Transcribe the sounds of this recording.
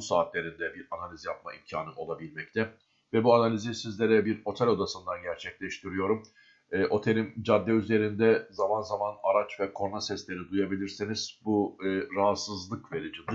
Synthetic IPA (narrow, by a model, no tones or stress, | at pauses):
saːt̪lʲe̞ɾind̪ɛbiɾanalʲizijap̚maimcʰaːnɯo̞lˠabilʲmɛct̪ʰɛ | vɛbuanalʲizisizlʲeɾɛbiɾo̞t̪ʰɛlʲo̞d̪asɯnd̪anɟæɾt͡ʃʰɛclʲɛʃt̪ʰiɾijo̞ɾum | ɛːʔo̞t̪ʰe̞lʲimd͡ʒad̪ːɛyze̞ɾind̪ɛzamanzamanaɾat͡ʃvɛkʰo̞nasɛslʲe̞ɾid̪ujabilʲiɾsiniz̥buːɾaɦasɯzlˠɯkve̞ɾid͡ʒind̪